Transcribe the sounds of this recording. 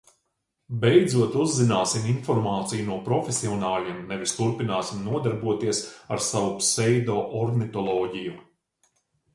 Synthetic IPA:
bɛjd̪zuɔt̪uzːinaːsiminfɔɾmaːt̪sijunuɔpɾɔfʲesiɔnaːlʲiɛmnɛʋist̪uɾpinaːsimnuɔd̪aɾbuɔt̪iɛsaɾsaʋupsɛjd̪ɔːʔɔɾɡnit̪ɔlˠɔːɟiju

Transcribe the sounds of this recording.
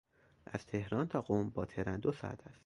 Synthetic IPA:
ʔæz̥t̪ʰe̞hɾɒːnt̪ʰɒːɡombɒːt̪ʰeɾænd̪osɒ̰æ̰t̪ʰæst̪

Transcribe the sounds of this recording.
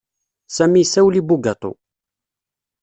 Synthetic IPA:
sæmisæwlibuɡɑt̪ˤo̰

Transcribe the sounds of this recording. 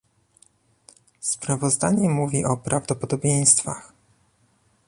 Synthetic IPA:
spɾavɔzd̪aɲɛmuvʲiʔɔpɾavd̪ɔpɔd̪ɔbʲjej̃st̪fa̰x

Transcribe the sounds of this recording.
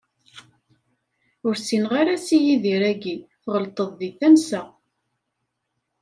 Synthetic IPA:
ʊɾsinʁaɾasijiðiɾæɡiθʁəlt̪ˤəðˤːiθæmsæ

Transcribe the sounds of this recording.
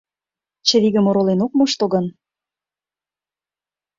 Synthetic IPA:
t͡ɕə̆βiɣə̆moɾolenok̚moʃt̪oɣɤ̆n

